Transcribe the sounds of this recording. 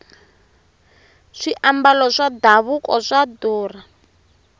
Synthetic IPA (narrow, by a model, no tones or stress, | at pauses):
ʂiʔambalɔʂadaβukɔʂaduːra